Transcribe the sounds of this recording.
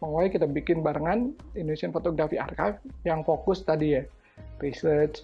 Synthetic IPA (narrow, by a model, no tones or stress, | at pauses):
məŋolaikit̪abikɪnbaɾəŋanindonesianfot̪oɡɾafia̰rkajfjaŋfokʊst̪adija | risərt͡ʃ